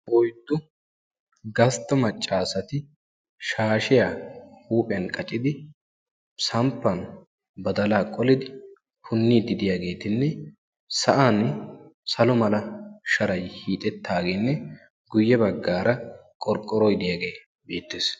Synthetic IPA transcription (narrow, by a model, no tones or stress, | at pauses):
ɔjt̪ːʊ | ɡɐst̪ːɐmɐt͡ʃʼːaːsɐt̪ɪ | ʃaːʃɪjaːhuːpʼɛɐnkʼɐt͡ʃʼːɪd̪ɪ | sɐmpːɐn | bɐd̪ɐlaːkʼɔlɪd̪ɪ | hʰʊnːiːd̪ɪd̪ɪjaːɡe̞ːt̪ɪnːɛ | sɐʔansɐlɔmɐlɐʃɐɾɐjhiːt̪ʼɛt̪ːaːɡeːnːɛ | ɡʊjːɛbɐɡːaːɾɐkʼɔɾkʼːɔɾɔjd̪ɪjaːɡe̞ː | be̞ːt̪ːeːs